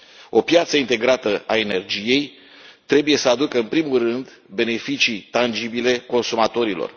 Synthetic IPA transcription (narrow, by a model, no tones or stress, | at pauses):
o̞pjat̪səint̪e̞ɡɾat̪əae̞ne̞rd͡ʒije̞j | t̪ɾe̞buje̞səad̪ukəɨnpɾimulrɨnd̪ | be̞ne̞fit͡ʃit̪and͡ʒibile̞ko̞nsumat̪o̞ɾilo̰r